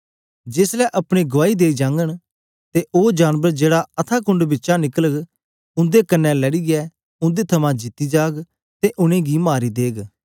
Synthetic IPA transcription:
d͡ʒɪslɛʔɐpɽ̃iɡʊʋaːid̪eːid͡ʒãːŋɡəɽ | t̪eʔoːd͡ʒaːnʋəɾd͡ʒeːɽaɐt̪ʰaːkʊ̃ɳɖbɪtːʃanɪkələɡ | ʊ̃nd̪ekənːɛ̃ləɽiɡɛː | ʊ̃nd̪et̪ʰɐmãd͡ʒɪt̪ːiːd͡ʒaːɡ | t̪eʔʊɽ̃ẽːɡimaːɾid̪eːɡ

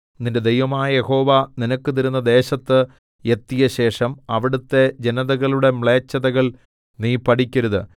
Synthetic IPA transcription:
ninde̞d̪ejʋɐmaːjɐje̞ho̞ːʋaninɐkːɨt̪iɾunːɐd̪e̞ːɕɐt̪ːɨ | e̞t̪ːijɐɕe̞ːʂɐmɐʋiɽut̪ːe̞d͡ʑenɐðɐɣɐɭuɽe̞mɭe̞ːt͡ɕːɐðɐɣɐɭ | niːpːɐʈikʲːɐɾuðɨ

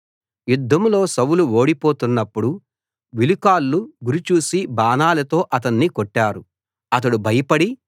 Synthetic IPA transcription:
jud̪ʱːɐmlo̞ːsɐwuluo̞ːɽipo̞ːt̪unːɐpːuɽu | ʋilukaːlːuɡuɾit͡ʃuːsibaːnaːlɐt̪o̞ːʔɐt̪̬ɐnːikɔʈːaːɾu | ɐt̪̬ɐɽubʱɐjɐpɐɽi

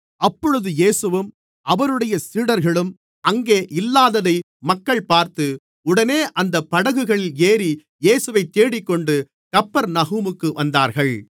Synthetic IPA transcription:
ɐpːɔɻɯðɯjeːsɯʋɯm | ʔɐʋɐɾɯɽɐjɐsiːɽɐɾɣɐɭɯm | ɐŋɡeːʔɪlːaːðɐðɐɪ | mɐkːɐɭpaːɾt̪ɯ | ʊɽɐneːʔɐnd̪ɐpːɐɽɐɣɯɣɐɭɪleːɾi | jeːsɯʋɐɪt̪ːeːɽɪkːɔɳɖɯ | kɐpːɐɾnɐɣuːmɯkːɯʋɐnd̪aːɾɣɐɭ

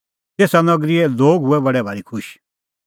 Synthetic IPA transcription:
t̪eːsanɐɡɾiɛloːɡɦʊɛbɐɽɛbʱaɾikʰʊʃ

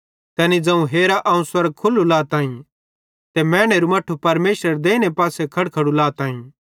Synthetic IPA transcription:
t̪ɛːnid͡zɐ̃ũɦeːɾaʔɐũswɐɾɡ̚kʰʊlːulaːt̪ãːĩ | t̪ɛmɛ̃ːɽ̃eɾumɐʈʰːupɐɾmeːʃɾəɾd̪eːñepaːsekʰɐɽkʰɐɽulaːt̪ãːĩː

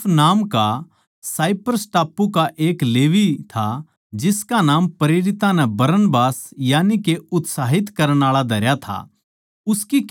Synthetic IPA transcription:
naːmka | saːɪpəɾsʈaːpːukaʔeːkleːʋit̪ʰa | d͡ʒɪskanaːmpɐɾeːɾɪt̪ãnɛbɐɾənbaːsjaːnikeʊt̪saːɦɪt̪kɐɾəɽ̃aːɭad̪ʱɐɾjat̪ʰa̰ | ʊskik

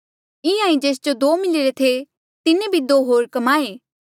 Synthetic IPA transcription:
ɪ̃ãːĩd͡ʒeːs̬d͡ʒod̪oːmɪlɪɾet̪ʰe | t̪ɪnẽbʱid̪oːɦoːɾkɐmaːeː

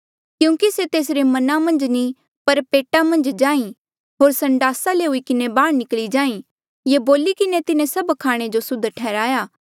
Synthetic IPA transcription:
kjũːkiset̪eːsɾemɐnamɐ̃nd͡ʒni | pɐɾpeːʈamɐ̃nd͡ʒd͡ʒãːĩ | ɦoːɾsɐ̃ɳɖaːsaleʊikɪnebaːɽ̃nɪkɭid͡ʒãːĩ | jeboːlikɪnet̪ɪnẽsɐbkʰaːɽ̃ed͡ʒosʊd̪ʱʈʰɛːɾaːjaː

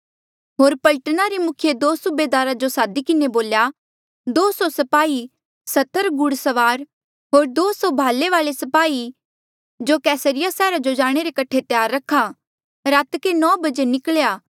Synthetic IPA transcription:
ɦoːɾpɐlʈnaɾimʊkʰɪjed̪oːsubeːd̪aːɾad͡ʒosaːd̪ikɪneboːlja | d̪oːsɔsɐpaːi | sɐt̪əɾɡʊɽsɐʋaːɾ | ɦoːɾd̪oːsɔbʱaːleʋaːlesɐpaːi | d͡ʒokɛːsəɾɪjasɛːɾad͡ʒod͡ʒaːɽ̃eɾekɐʈʰːet̪ɪjaːɾːɐkʰːa | ɾaːt̪kenɔ̃ːbɐd͡ʒenɪkɭjaː

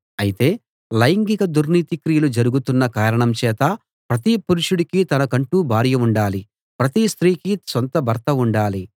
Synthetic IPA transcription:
ɐjit̪e̞ː | lɐjŋɡikɐd̪uɾniːt̪ikɾijɐlud͡ʒɐɾuɡut̪unːɐkaːɾɐɳɐmt͡ʃɛːt̪ɐ | pɾɐt̪̬ipuɾuʂuɽikit̪ɐnɐkɐɳʈuːbʱaːɾjɐuɳɖaːli | pɾɐt̪ist̪ɾiːkisont̪ɐbʱɐɾt̪ɐuɳɖaːli

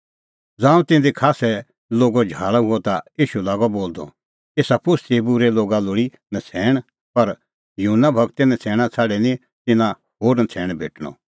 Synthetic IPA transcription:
d͡zãːũt̪ɪ̃nd̪ikʰaːsɛ | loːɡɔd͡ʒʱaːɭaɦuɔt̪aiːʃulaːɡɔboːld̪ɔ̰ | eːsapʊst̪ebuɾɛloːɡalʊɽi | nɐt͡sʰɛːɽ̃ | pɐɾ | jʊɦʊnːabʱɐɡt̪enɛ̃t͡sʰɛːɽ̃at͡sʰaːɖɛnĩ | t̪ɪ̃nã | hoːɾnɐt͡sʰɛːɽ̃bʱeːʈɽ̃ɔ̰

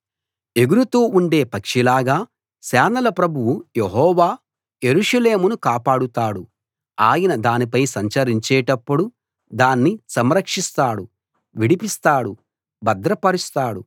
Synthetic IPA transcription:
e̞ɡuɾut̪oːʔuɳɖe̞ːpɐkʂilaːɡaː | sɛːnɐlɐpɾɐbʱuwujeɦɔːʋaː | je̞ɾuʂɐle̞ːmunukaːpaːɽut̪aːɽu | aːjɐnɐd̪aːnipɐjsɐɲt͡ʃɐɾiɲt͡ʃɛːʈɐpːuɽu | d̪aːnːisɐmɾɐkʂist̪aːɽu | ʋiɽipist̪aːɽu | bɐd̪ɾɐpɐɾist̪aːɽu

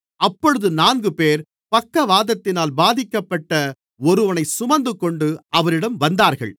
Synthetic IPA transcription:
ɐpːɔɻɯðɯnaːnɡɯpeːɾ | pɐkːɐʋaːðɐt̪ːɪnaːlbaːðɪkːɐpːɐʈːɐ | ɔɾɯʋɐnɐɪsʊmɐnd̪ɯkɔɳɖɯɐʋɐɾɪɽɐmʋɐnd̪aːɾɣɐ̰ɭ

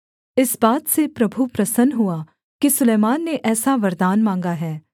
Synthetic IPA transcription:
ɪsbaːt̪sepɾɐbʱupɾɐsənɦʊaː | kisʊleːmaːnːeʔɛːsaʋɐɾd̪aːnmãːŋɡaɦɛː

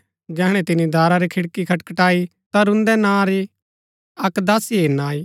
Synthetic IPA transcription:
d͡ʒɛːɦɽ̃ɛ̃t̪ɪnid̪ʱaːɾaɾikʰɪɽkikʰɐʈkəʈaːi | t̪aɾʊ̃nd̪ɛnãːɾi | ɐkd̪aːsiɦenaːiː

